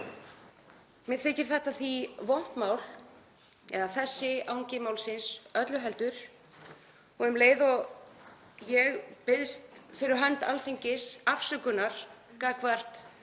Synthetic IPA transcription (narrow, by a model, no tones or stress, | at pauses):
mjɛθɪːcɪɾ̥θɛht̪aθivɔn̥t̪maːwl | ɛ̰ðaθɛsːɪawɲcɪmawlsɪnsœt̪lʏɦɛlt̪ʏɾ̥ | ɔɣɛmleːjðɔɣ | jɛɣpɪðst̪fɪɾɪɾɦant̪a̰lθeɲcɪsafsʏkʏnaɾ̥kaːkvar̥t̪